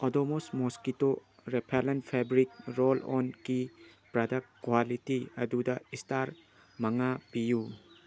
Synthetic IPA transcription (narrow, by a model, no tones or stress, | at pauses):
odomosmoskito | ɾepʰelenpʰabɾik̚ɾolɔ̰nki | pɾɐdɐkkːwalitiɐdudɐistaɾ | mɐŋabiju